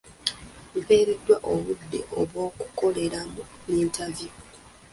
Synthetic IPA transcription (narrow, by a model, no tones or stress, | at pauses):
mpeːɾidːwaʔoβudːḭʔoβwo̞ːku̥ko̞le̞ɾamuniːntʰavji